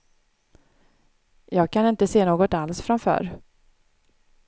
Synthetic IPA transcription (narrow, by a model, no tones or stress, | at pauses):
jɑːɡ̚kʰanɪnt̪əseːnoːɡɔt̪alsfɾamfœ̰ːɾ